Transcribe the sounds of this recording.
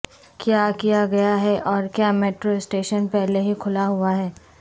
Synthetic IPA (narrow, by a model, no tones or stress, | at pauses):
kjaːkijaɡɐjaɦɛʔɔːɾkjaːmeːʈɾoɪsʈeːʃənpɛɦleɦikʰʊlaɦuaɦɛː